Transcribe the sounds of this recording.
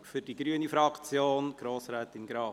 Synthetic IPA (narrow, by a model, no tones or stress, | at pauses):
fʏɾdiɡɾyːənifɾɑkt͡sjoːnɡ̥ɾoːsɾæːt̪ɪnɡɾɑː